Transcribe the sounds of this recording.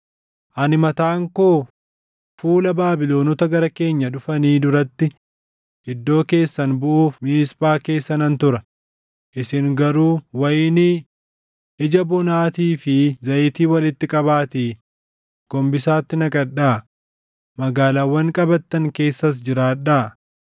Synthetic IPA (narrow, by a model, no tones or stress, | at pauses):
ʔɐnɪmɐt̪aːŋkoː | fuːlɐbaːbɪlo̞ːnɔt̪ɐɡɐɾɐke̞ːɲːɐᶑʊfɐniːd̪ʊɾɐt̪ːɪ | ɪd̪ːo̞ːke̞ːsːɐnbʊʔuːfmiːspʼaːke̞ːsːɐnɐnt̪ʊɾɐ | ʔɪsɪŋɡɐɾuːwɐjɪni | ɪd͡ʒɐbɔnaːt̪iːfɪzɐʔɪt̪iːwɐlɪt̪ːɪkʼɐbaːt̪iː | ɡ̥ɔmbɪsaːt̪ːɪnɐkʼɐɗaː | mɐɡaːlaːwːɐŋkʼɐbɐt̪ːɐŋke̞ːsːɐs̬d͡ʒɪɾaːᶑaː